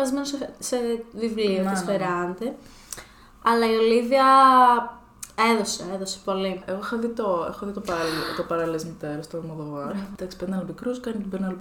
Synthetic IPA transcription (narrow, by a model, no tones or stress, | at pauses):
ɐzime̞nossevivliofisfeɾɐnt̪e | ɐlɐio̞liviɐ | e̞ðo̞seeðose̥po̞lieɣoexoðit̪oexoðit̪opɐɾɐllt̪opɐɾɐlilezmit̪eɾɐst̪oɾmoðoɣɐd̪ɐksi̥peðnɐlomikɾuskɐnit̪ibenɐl